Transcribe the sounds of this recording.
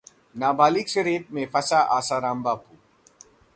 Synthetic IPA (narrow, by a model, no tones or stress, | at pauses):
naːbaːliksɾeːʈ̚mẽfɐsaʔaːsaːɾãːmbaːpuː